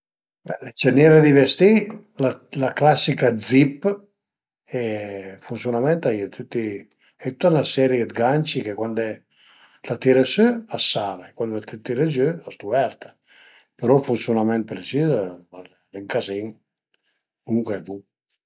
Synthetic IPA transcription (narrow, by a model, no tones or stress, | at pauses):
bɛlet͡ʃɛnɛɾed̪ivest̪i | lalaklasːikazip | ɛfunsjonamɛnt̪ajɛt̪ʰyt̪ːi | ɛt̪u̥t̪anasɛɾjed̪ɡant͡ʃikekwand̪ɛ | t̪at̪iɾesøasːaɾaekwand̪t̪t̪iɾezøast̪uɛɾt̪ḁ | peɾɔfunsjunamɛnt̪̚pɾet͡ʃizaa | liŋkasiŋ | nuŋkɛvu